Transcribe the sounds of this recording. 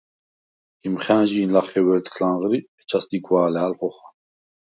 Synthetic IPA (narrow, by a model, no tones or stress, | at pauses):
imχæːʒiːnlaχɛwɛɾt̪kʰlanʁɾiɛt͡ʃʰasd̪iɡwaːlɛalχɔχa